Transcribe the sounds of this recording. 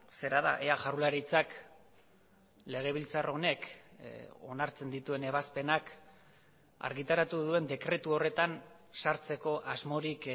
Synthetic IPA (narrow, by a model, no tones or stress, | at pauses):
se̞ɾaða̰ʔeaʝarulaɾit͡sak | le̞ɣ̞e̞βilt͡saro̞ne̞k | o̞̰naɾt͡se̞nd̪it̪ue̞ne̞βaspe̞nak | a̰ɾɣit̪aɾat̪uðue̞nd̪e̞kɾe̞t̪uo̞re̞t̪an | saɾt͡se̞ko̞ʔazmo̞ɾik